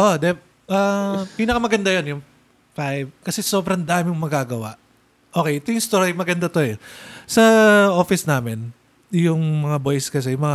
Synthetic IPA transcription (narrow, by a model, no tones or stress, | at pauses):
ʔoʔd̪ɛ | ʔɐpiːnɐkɐmɐɡɐnd̪ajonjʊŋ | fajvkɐsɛso̞bɾɐnd̪aːmɪŋmɐɡaːɡɐwa̰ʔ | ʔo̞ːkɛjʔɛt̪ojʊŋɪst̪oɾimɐɡɐnd̪at̪o̞ɛsɐʔo̞ːfɪsnaːmɪn | jʊŋmɐŋabo̞jskɐs̬ɛjʊŋmɐŋa